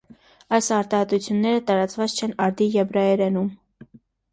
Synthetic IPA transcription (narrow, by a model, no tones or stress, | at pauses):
ɑjsɑɾt̪ɑhɛt̪ut͡sʰjunːɛɾət̪ɑɾɑt͡svɑt͡st͡ʃʰɛnɑɾd̪ijɛbɾɑɛɾɛnum